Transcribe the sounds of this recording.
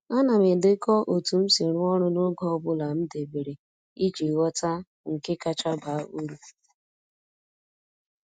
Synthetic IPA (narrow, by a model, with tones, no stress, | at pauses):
a˦na˨me˨de˦kɔ˦ʔo˨tu˨m̩˦si˨ɾʊ˦ɔ˦ɾʊ˦nʊ˦ɡɔ˦bʊ˦la˨m̩˦de˨be˨ɾe˨ | i˦d͡ʒi˨wɔ˦ta˦ | ŋ̩˨ke˦ka˦t͡ʃa˦ba˨˦ʔu˦ɾu˦